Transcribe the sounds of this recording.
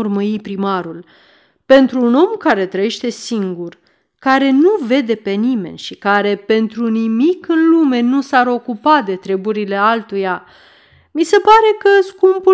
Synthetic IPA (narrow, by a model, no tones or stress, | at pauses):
urməipɾimaɾul | pe̞nt̪ɾuːno̞mkaɾe̞t̪ɾəje̞ʃt̪e̞siŋɡur | kaɾe̞nuve̞d̪e̞pe̞nime̞̰nʲʃikaɾe̞pe̞nt̪ɾunimikɨnlume̞nusaɾo̞kupad̪e̞t̪ɾe̞buɾile̞alt̪uja | mise̞paɾe̞kəskumpu